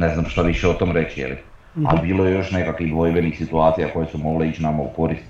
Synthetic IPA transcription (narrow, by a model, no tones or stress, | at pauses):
neznamʃt̪aʋiʃeot̪o̞ːmɾe̞t͡ɕijḛlḭ | a̰libiːlojejo̞ʃne̞kakʋiɣd̪ʋo̞jʋenixsit̪uaːt̪sijako̞jesumo̞ɡleiːt͡ʃnamauko̞ɾist̪